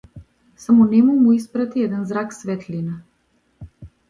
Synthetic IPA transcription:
samɔnɛmumuispɾat̪iɛd̪ɛnzɾaksvɛt̪lina

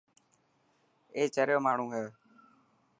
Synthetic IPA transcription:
eːt͡ʃəɾjoːmaːɳ̤ũːɦeː

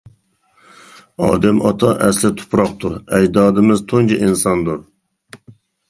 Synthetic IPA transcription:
ɑ̰ːd̪ɛmʔɑt̪ʰɑʔɛslɪt̪ʰʊ̥pʰɾɑq̚t̪ʰuɾɛd͡ʒd̪ɑːd̪ɨmɪzt̪ʰoŋd͡ʒʰiʔinsɑnd̪uɾ

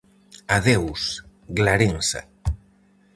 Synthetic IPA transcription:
aðews | ɣlaɾensa̰

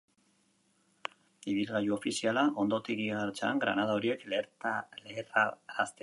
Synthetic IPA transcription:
iβilɣajuo̞fisialaʔo̞nd̪o̞t̪iɣiɣaɾt͡ʃaŋɡɾa̰naðaoɾie̞kleɾt̪aleraast̪e

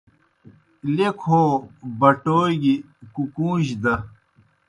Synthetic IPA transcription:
lekʰoːbɐʈoːɡi | kukũːʑd̪ɐ

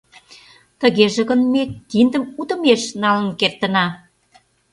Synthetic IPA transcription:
t̪əɣeʒĕɣə̆nmet̪ind̪ə̆mut̪ə̆meʃnɑlə̆nkert̪ə̆nɑ

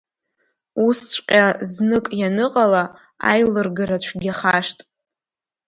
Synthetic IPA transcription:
ust͡ʃʷʼqʲʼaznɨkʼjanɨqʼala | a̰jlɨrɡaɾat͡ɕʷʰɡʲaχaʂtʼ

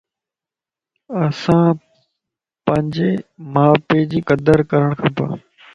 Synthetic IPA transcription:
əsãː | pə̃ɲd͡ʑeːmaːpeːd͡ʑiːkəd̪əɾkəɾəɽ̃kʰãpa̰ː

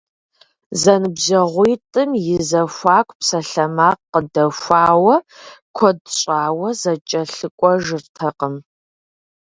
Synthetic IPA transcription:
zɐnɨbʑɐʁʷijtʼɨmjɪzɐxʷaːkʷʰʼpsɐɬɐmaːqqədɐfʷaːwɐkʷʰɔdɕʼaːwɐzɐt͡ʃʼɐɬɨkʷʼɔʒɨrtʰɐqəm

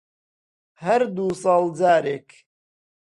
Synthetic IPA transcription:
hɐɾd̪uːsˤɑːld͡zaːɾeːk

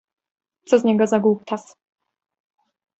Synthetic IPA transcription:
t̪sɔzɲɛɡɔzaɡup̚t̪as

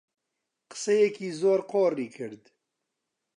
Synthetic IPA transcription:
qə̥sɛjɛkiːzoːɾqoːriːkʰɨɾd̪

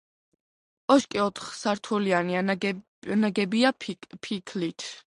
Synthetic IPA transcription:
ɔʃkʼiɔt̪ʰχsaɾt̪ʰuliania | naɡɛbiapʰikʰlit̪ʰ

